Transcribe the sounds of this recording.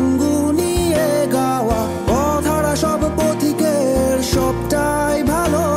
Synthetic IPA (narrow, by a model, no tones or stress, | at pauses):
ŋɡunieɡawa | ɔd̪ʱaɽaʃɔbpot̪ʰikeɾʃɔb̚ʈajbʱalo